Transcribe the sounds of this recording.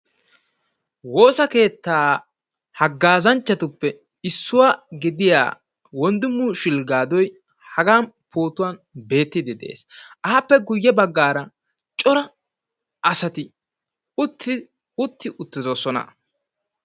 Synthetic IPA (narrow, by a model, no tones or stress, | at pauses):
wo̞ːsɐke̞ːt̪ːaː | hɐɡːaːzɐnt͡ʃːɐt̪ʊpːɛ | ɪsːʊwaːɡɪd̪ɪja̰ː | wɔnd̪ʊmːʊʃɪlɡaːd̪ɔj | hɐɡaːn | pʰo̞ːt̪ʊwanbe̞ːt̪ːɪd̪ɪd̪e̞̰ːsʔɐːpːɛɡʊjːɛbɐɡːaːɾɐ | t͡ʃʼɔɾɐ | ʔɐsɐt̪ɪ | ʊt̪ʰːɪ | ʊt̪ːɪʔʊt̪ːɪd̪oːsɔnɐ̰